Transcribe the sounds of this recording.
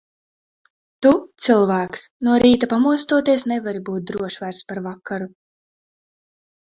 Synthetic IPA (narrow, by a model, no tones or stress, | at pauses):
t̪ut̪sɨlˠvæːksnuɔɾiːt̪apamuɔst̪uɔt̪iɛsnɛvaɾibuːt̪̚d̪ɾuɔʃvajɾspaɾvakːaɾu